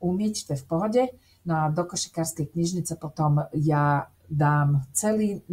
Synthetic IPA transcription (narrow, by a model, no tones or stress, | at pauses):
umjɛct̪ɛfpɔɦɔdɛ | nad̪ɔkɔʃi̥kaɾskɛjkɲiʒnit̪sɛpɔt̪ɔmjaː | d̪aːmt̪sɛliː